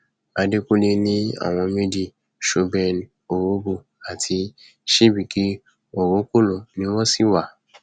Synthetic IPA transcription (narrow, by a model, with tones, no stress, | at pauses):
a˨de˦ku˦le˦nĩ˦a̰˨w̃ɔ̃˧me˦di˨ | ʃo˦bɛ˨n | o˨wo˦bo˨ | a˨tʰi˧ | ʃi˦bi˨ki˦ | o˨wo˦ko˦lo˨nĩ˦wɔ˦si˦wa˨